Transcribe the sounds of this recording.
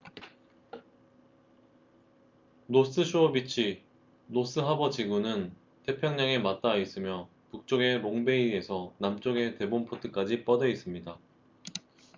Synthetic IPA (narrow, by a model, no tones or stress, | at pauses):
nos͈ʰɯɕʰuʌbit͡ɕʰi | nos͈ɯɦabʌd͡ʑiɡunɯn | tʰe̞pʰjʌŋɲaŋe̞mat̚t͈ais͈ɯmjʌ | puk̚t͡ɕ͈oɡe̞ɾoŋbe̞ie̞sʰʌnamt͡ɕ͈oɡe̞te̞bompʰotʰɯk͈ad͡ʑip͈ʌdʌis͈ɯmɲida